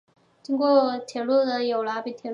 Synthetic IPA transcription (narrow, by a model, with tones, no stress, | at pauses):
t͡ɕi˥ŋkwɔ˥˩t̪ʰjɛ˨˩lu˥˩d̪ə˨jo˨˩ʊla˧˥pi˨˩t̪ʰjɛ˨˩